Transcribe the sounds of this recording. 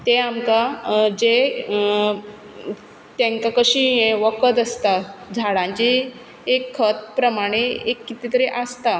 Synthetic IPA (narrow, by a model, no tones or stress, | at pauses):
t̪eamkad͡ʑe | t̪ẽŋkakəɕĩʋəkət̪əst̪ad͡zʱaɽãɲt͡ɕeː | kʰːət̪̚pɾəmaɽ̃eekːit̪it̪əɾeʔast̪a